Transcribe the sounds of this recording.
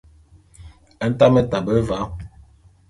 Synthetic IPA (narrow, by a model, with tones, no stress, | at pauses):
ɛ˦n̩˦ta˦mɛ˦ta˨bə˦va˨˦